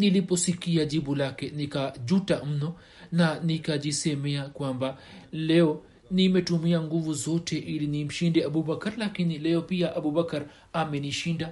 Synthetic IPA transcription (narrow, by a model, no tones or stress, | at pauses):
nilipɔsikiaʄiɓulakɛnikaʄutam̩nɔ | nanikaʄisɛmɛakwambalɛɔ | nimɛtumiaŋɡuvuzɔtʰɛʔilinim̩ʃindɛaɓuɓakaɾlakinilɛɔpiaʔaɓuɓakaɾ | amɛniʃinda